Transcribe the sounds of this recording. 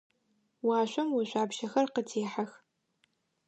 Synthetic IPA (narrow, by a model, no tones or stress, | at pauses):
waːɕʷɐmwiɕʷaːbʃɐxɐrqətʰeːħax